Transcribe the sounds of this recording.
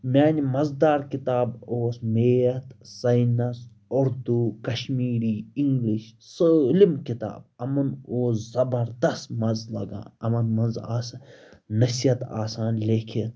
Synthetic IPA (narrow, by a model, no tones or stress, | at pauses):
mʲaːnimɐzd̪aːɾkit̪aːboːsmeːɐt̪sɐjnɐs | ʊɾd̪ukɐʃmiːɾiːiŋɡliʃsəlimkɪt̪a̰ːb̚ɐmɐnoːszɐbɐɾd̪ɐst̪mɐnzlɐ̰ɡã̰ːɐmɐnmɐnzaːsnɐsijɐt̪a̰ːsãːnlʲeːkʰit̪